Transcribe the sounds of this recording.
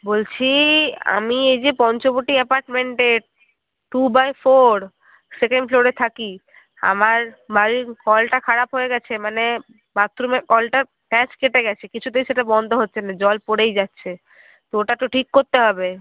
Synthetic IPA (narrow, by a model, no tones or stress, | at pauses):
bolt͡ɕʰia̰miejd͡ʑepɔnt͡ɕoboʈiepaɾʈmeɳʈe | ʈubajfoɾ | sekeɳɖfloɾet̪ʰaki | a̰maɾbaɾikɔlʈakʰaɾapɦoeɡɛt͡ɕʰemane | mat̪ːɾomekɔlʈa | ʈɛt͡ɕkeʈeɡɛt͡ɕʰekit͡ɕʰud̪eʃeʈabɔnd̪ʱoɦotːɕʰenad͡ʑɔlpoɽejd͡ʑatːɕʰe | t̪ooʈat̪oʈʰikːoɾt̪eɦɔbe